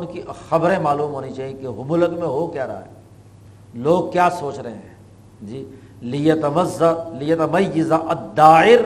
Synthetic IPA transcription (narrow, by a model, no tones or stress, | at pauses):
ʊnkixɐbɾẽmaːluːmɦoːnit͡ʃaːɦiẽkeɦʊmʊləkmẽɦokjaːɾɐ̰ɦa̰ɛː | loːɡ̚kjaːsoːt͡ʃɾɐɦẽɦɛ̃ː | d͡ʒiː | lɪjɐt̪ɐmɐzːalɪjɐt̪ɐmɐjːɪzaʔɐd̪ːaːɪɾ